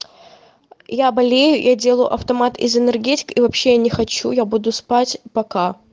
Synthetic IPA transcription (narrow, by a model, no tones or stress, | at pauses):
jabɐlʲejʊjʔadʲe̞lˠəjʊ̰ʔɐ̰ft̪ɐmat̪ɪ̰zɨnɨrɡʲetʲɪ̥kivɐpɕːejanʲɪxɐt͡ɕujabud̪ʊspatʲpɐka